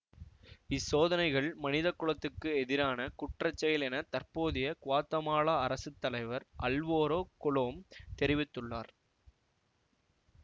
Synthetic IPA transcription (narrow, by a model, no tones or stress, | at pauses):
ɪsoːðɐnɐɪɣɐɭmɐnɪðɐkːʊɭɐt̪ːɯkːɯɛðɪɾaːnɐkʊʈrɐt͡ʃːɐjɪlɛnɐt̪ɐrpoːðɪjɐkʊʋaːt̪ːɐmaːɭaɐɾɐsɯt̪ːɐlɐɪʋɐɾʔɐlʋoːɾoːkʊɭoːmt̪ɛɾɪʋɪt̪ːɯɭːaːɾ